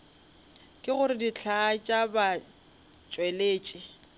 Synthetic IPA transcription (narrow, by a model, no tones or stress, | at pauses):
kʼɪɣʊɾɪdit͡ɬʰaːt͡ʃʼaba | t͡ʃʼweleːt͡ʃʼɪ